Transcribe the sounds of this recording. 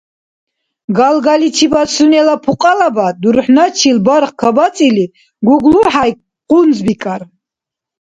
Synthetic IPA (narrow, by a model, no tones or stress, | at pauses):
ɡalɡalit͡ʃʰibasunɛlapʰuqʼalabad̪uɾħnat͡ʃʰilbaɾχkʰabat̪t͡s̪ʼili | ɡuɡluħaj | qʼunzbikʼaɾ